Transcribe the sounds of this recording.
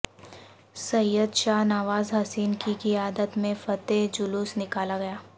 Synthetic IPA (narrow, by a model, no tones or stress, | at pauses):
sɐjəd̪ʃaːnaʋaːzɦɐsiːnkikiaːd̪ət̪mẽfɐt̪ed͡ʒʊluːsnɪkaːlaɡɐjaː